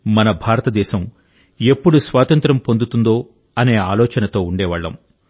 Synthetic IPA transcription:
mɐnɐbʱaːɾɐt̪ɐd̪ɛːʃɐm | e̞pːuɽusʋaːt̪ɐnt̪ɾɐmpo̞nd̪ut̪und̪oː | ɐne̞ːaːlɔːt͡ʃɐnɐt̪o̞ːuɳɖɛːʋɐɭːɐ̰m

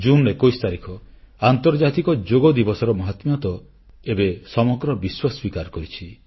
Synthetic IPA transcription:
d͡ʒunɾekojst̪aɾikʰɔant̪ɔɾd͡ʒat̪ikɔd͡ʒoɡɔd̪ibɔsɔɾɔmɔɦat̪mɔt̪ɔ | ebesɔmɔɡɾɔbiswaswikaɾɔkɔɾit͡ʃʰi

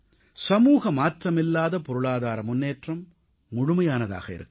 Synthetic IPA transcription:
sɐmuːɣɐmaːʈrɐmɪlːaːðɐpɔɾɯɭaːðaːɾɐmʊnːeːʈrɐmː | ʊɻʊmɐjaːnɐða̰ːɣɐɪ̰ɾɯ̰kː

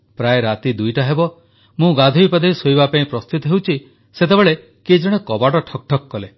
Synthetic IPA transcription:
pɾaeɾat̪id̪ujʈaɦebɔ | mũɡad̪ʱujpad̪ʱejsojbapaĩpɾɔst̪ut̪ɔɦewt͡ʃʰi | set̪ebeɭe | ked͡ʒɔɽ̃ekɔbaɽɔʈʰɔk̚ʈʰɔkːɔle

